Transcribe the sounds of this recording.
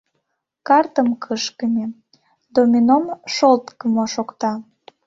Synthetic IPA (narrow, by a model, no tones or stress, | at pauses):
kɑrt̪əmkʰəʃkənʲe | d̪omʲinomʃolt̪kəmoʃokt̪ɑ